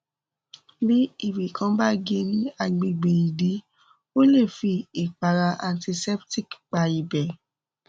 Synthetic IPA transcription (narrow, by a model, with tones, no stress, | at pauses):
bi˦i˦˨bi˨kʰã˨˦ba˦ɡe˧˦nĩ˦a˦˨ɡ͡be˨ɡ͡be˨i˨di˨˦ | o˦le˦˨fi˧i˨k͡pa˨ɾa˧ʔa˨nti˧sɛ˦pti˦˨kk͡pa˨i˨bɛ˨